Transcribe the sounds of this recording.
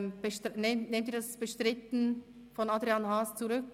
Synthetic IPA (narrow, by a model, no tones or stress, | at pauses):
b̥ətnenːeːmdiːɐdasb̥əʃtʁɪtn̩ | fɔnadʁianhaːst͡suʁʏk